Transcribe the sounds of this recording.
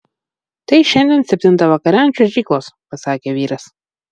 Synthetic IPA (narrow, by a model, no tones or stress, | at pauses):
t̪ɐɪʃʲɛnʲd̪ʲiɛnsʲɛpʲt̪ʲɪnt̪ɐʋɐkɐɾʲæˑnʲt͡ʃʲoʒʲiːklˠoːspɐsɑːkʲeːʋʲiːɾɐs